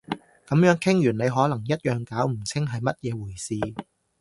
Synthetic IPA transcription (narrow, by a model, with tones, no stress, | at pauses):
kɐ˨˥mjœː˨˥ŋkʰɪ˥ŋjyː˨˩ne˨˧jɦɔː˨˥lɐ˨˩ŋjɐ˥t̚jœː˨ŋkaː˨˥wm̩˨˩t͡sʰɪ˥ŋɦɐ˨jmɐ˥t̚jɛː˨˧wuː˨˩jsiː˧